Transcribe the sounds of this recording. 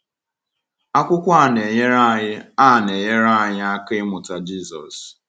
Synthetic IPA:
a˦kʷʊ˦kʷa˦˨ne˨ɲe˦ɾa˦ɲɪ˦a˦˨ne˨ɲe˦ɾa˦˨ɲɪ˦a˦ke˦ɪ˦mʊ˨ta˨d͡ʒi˦˨sɔ̰˨s

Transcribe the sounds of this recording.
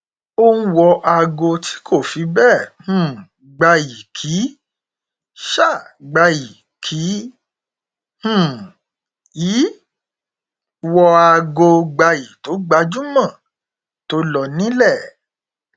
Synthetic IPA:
õ˦˧˦wɔ˧ʔa˧ɡo˧ti̥˦kʰo˦˨fi˨˧˦bɛ˦˨hũ˦˨ | ɡ͡ba˧ji˨kʰi˨˦ | ʃa˦˨ɡ͡ba˧ji˨ | kʰi˨˦ | h̩˦˨ | jiː˨˦ | wɔ˧a˧ɡo˧ɡ͡ba˧ji˨to˨˦ɡ͡ba˧˦d͡ʒu˦mã˦˨ | to˧˦lɔ˧nĩ˨˦lɛ˦˨

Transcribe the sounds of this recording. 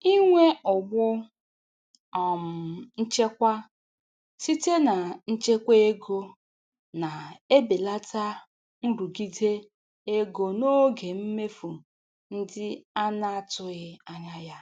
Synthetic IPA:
i˦ŋʷe˦ʊ˨ɡ͡bʊ˦ | ɔ˨m̩˨n̩˦t͡ʃe˦kʷa˦ | si˦te˦na˨n̩˦t͡ʃe˦kʷe˦e˦ɡo˦ | na˨e˦be˨la˦ta˦ | n̩˦ɾu˨ɡi˦de˦ | e˦ɡo˨no˦ɡe˨m̩˦me˦fu˨ | n̩˦dɪ˦a˦na˦a˨tʊ˦ɣɪ˦a˦ɲa˦ja˦

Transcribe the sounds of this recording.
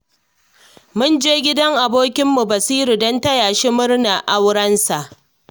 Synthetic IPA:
mʊ˦nd͡ʒeː˦ɡʲɪ˦dɐ˦ŋʔa˨boː˦kʲɪ˦mːu˨bɐ˨siː˦ɾu˨dɔ˦ntɐ˦jaː˨ʃi˦mʊ˦rna˨ʔa˦wɽɐ˦nsa˨ʔ

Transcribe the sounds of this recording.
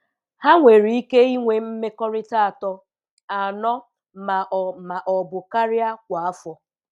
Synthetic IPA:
ha˦ŋʷe˨ɾi˨i˦ke˦i˦ŋʷe˨m̩˦me˦kɔ˦ɾɪ˦ta˦a˨tɔ˦ | a˨nɔ˦ | ma˨ʔma˨ʔɔ˨bʊ˨ka˦ɾja˦kʷa˨a˦fɔ˨

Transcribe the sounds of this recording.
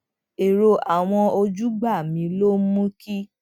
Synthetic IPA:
e˨ɾo˧ʔa˨w̃ɔ̃˧o˧d͡ʒu˦ɡ͡ba˦˨mĩ˧˦lo˦mũ˦ki˦

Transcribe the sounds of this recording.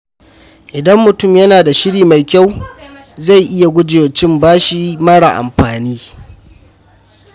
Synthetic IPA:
ʔɪ˨dɐ˦mːʊ˨tʊ˦˨mjɐ˦naː˨da˨ʃɪ˦ɽiː˨ma˨jkʲa˦˨w | za˦˨jʔɪ˦ja˨ɡʷʊ˦d͡ʒe˨t͡ʃɪ˦mbaː˦ʃiː˦mɐ˦ɽa̰˨ʔa̰˨mɸaː˨niː˦

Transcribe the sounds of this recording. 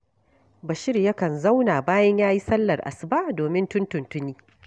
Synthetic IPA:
ba˨ʃɪ˦rjɐ˦kɐ˨nza˦wnaː˨baː˦jɐ˦ɲjaː˦ji˦sɐ˦lːɐ˨rʔa̰˨sba˦ʔdoː˨mɪ˦ntʊ˦ntʊ˨ntʊ˦niː˦

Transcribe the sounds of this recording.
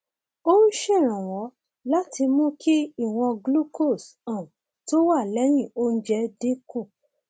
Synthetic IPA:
o˦n̩˦ʃɛ˦˨ɾ̃ã˨w̃ɔ̃˨˦ | la˦tʰi˧mũ˦kʰi˦i˦˨w̃ɔ̃˧ɡlu˦ko˦˨sã˨ | to˦wa˦˨lɛ˨˦j̃ĩ˦˨o˦n̩˦d͡ʒɛ˧˦de˦ko˦˨

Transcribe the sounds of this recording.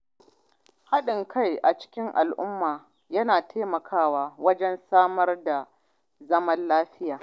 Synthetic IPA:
ha˦ɗɪ˨ŋkʰa˦jʔa˨t͡ʃɪ̥˦kʲɪ˦ŋʔa̰˨lʔʊ˦mːaː˨ | jɐ˦naː˨tʰeː˦mɐ˨kʰaː˦waː˦wɐ˦d͡ʒɛ˦nsaː˦mɐ˦rda˨ | zɐ˦mɐ˦nlaː˦ɸɪ˦jaː˨

